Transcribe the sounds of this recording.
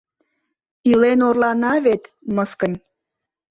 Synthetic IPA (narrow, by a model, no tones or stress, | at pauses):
ilenorlɑnɑβet̪məskə̆nʲ